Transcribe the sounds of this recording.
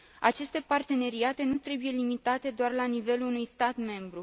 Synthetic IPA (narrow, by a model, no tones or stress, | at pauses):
at͡ʃe̞st̪e̞part̪e̞ne̞ɾiat̪e̞nut̪ɾe̞buje̞limit̪at̪e̞d̪oarlanive̞luːnujst̪at̪me̞mbɾu